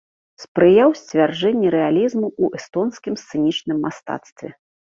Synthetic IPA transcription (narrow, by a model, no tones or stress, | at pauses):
spɾɨjawsʲt͡sʲvʲard͡ʐɛnʲːɛɾɛalʲizmuuʔɛst̪ɔnskʲimst̪sɨnʲit͡ʂnɨmːast̪a̰t̪st̪vʲɛ̰